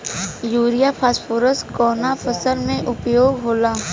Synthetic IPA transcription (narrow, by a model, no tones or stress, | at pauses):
juːɾijapʰaːspoːɾəskɔːnapʰəsəlmẽʔʊpjoːɡɦoːlaː